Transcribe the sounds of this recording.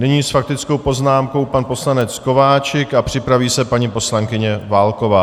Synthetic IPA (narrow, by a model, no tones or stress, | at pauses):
nɪɲiːsfak̚t̪ɪt͡skowpo̞znaːmko̞wpanpo̞slanɛt͡sko̞vaːt͡ʃɪkapr̝̥ɪpɾaviːsɛpaɲipo̞slaŋkɪɲɛvaːlko̞vaː